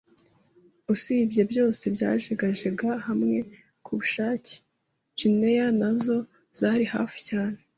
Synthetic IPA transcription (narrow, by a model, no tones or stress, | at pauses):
usibjebjo̞ːse̞bɟa̰ːʒeɡaʒeɡahamŋe̞ | kʰuβuʃaːci̥ | ʒ̥inejanazo̞ | z̥aːɾiha̰ːfi̥caːne̞